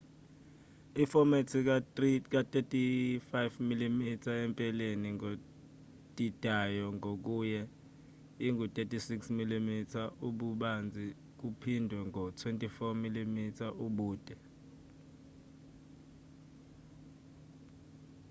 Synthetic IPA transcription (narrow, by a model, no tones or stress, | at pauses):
ifɔmetʰik̬atʼetʼifajvmilimitʰaɛmpʼɛleniŋɡo | d̥ʼid̥ʱajɔŋʱok̬ujɛ | iŋɡʱutʼetʼʰisiksmilimitʰaʔuɓuɓand͡zʱi | k̬upʰindʱwɛŋʱɔtʰwentʼifɔmilimitʰaʔuɓuːd̥ʱʼɛ